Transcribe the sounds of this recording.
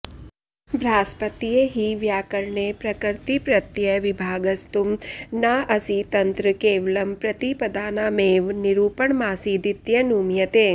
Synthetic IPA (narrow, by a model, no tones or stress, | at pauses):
bʱɾaːspət̪ijeɦiʋjaːkəɾɳepɾɐkəɾt̪ipɾɐt̪jəʋibʱaːɡəst̪umnaʔɐsit̪ɐnt̪ɾəkeːʋlɐmpɾɐt̪ipəd̪aːnameːʋniɾuːpəɳmaːsid̪it̪jɐnumjɐt̪eː